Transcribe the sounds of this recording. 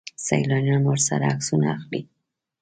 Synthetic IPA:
sa̰jlɑnjɑnoɾsa̰ɾaaksunaaxli

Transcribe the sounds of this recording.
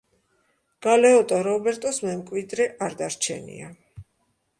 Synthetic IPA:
ɡ̥alɛɔt̪ʼaɾɔbɛɾt̪ʼɔsmɛmkʼwid̪ɾɛʔaɾd̪aɾt͡ʃʰɛ̰nḭa

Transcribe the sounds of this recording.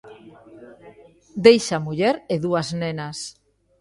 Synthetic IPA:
d̪ejʃamuʎeɾeðuaznenas

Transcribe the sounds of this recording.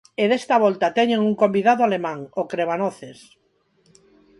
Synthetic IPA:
eðest̪aβ̞ɔlt̪at̪ɛɲeŋuŋkombiðaðoalemãŋokɾeβanoθes

